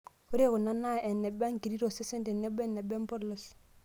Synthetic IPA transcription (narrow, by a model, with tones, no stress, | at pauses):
o˦ɾe˦kʊ˨na˦na˦ɛ˨nɛ˨ba˦ŋki˨ɾi˦ɾo˨se˦se˦ntɛ˨nɛ˦bɛ˦˨nːɛ˨bɛ˦m˦pɔ˦ɾlɔ˦s